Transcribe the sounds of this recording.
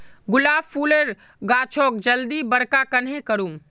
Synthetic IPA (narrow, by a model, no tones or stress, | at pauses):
ɡʊlaːbpuːleɾ | ɡaːt͡ʃʰoːk̚d͡ʒəld̪ibəɾkakənɦẽkəɾuːm